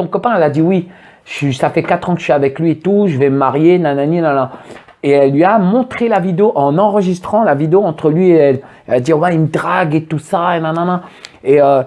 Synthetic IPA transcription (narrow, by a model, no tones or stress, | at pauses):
ɔ̃kɔpɛ̃ɛlad̪iwi | ʃisafɛkat̪χɑ̃kə̥əʃɥiavɛklɥiet̪uʒəvɛməmaʁjenãnaninãnã | eɛlːɥiamɔ̃t̪χelavid̪eoʔɑ̃nɑ̃ʁəʒist̪χɑ̃lavid̪eoɑ̃t̪χəlɥieɛl | ɛlad̪iwaiməd̪ʁaɡet̪usaenɛ̃nɛ̃nãeø